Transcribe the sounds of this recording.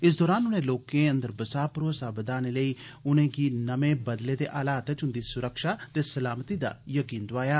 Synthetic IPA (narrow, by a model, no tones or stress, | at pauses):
ɪs̬d̪ɔːɾaːnʊnẽːloːkẽːə̃nd̪əɾbəsaːpʊɾoːsaːbəd̪aːneːləiːʊnẽːɡiːnəmẽːbəd̪leːd̪eːʔaːlaːt̪ət͡ʃɦʊ̃nd̪iːsʊɾəkʃaːt̪eːsəlaːmət̪iːd̪a̰ːjəkiːnd̪ʊaːjaː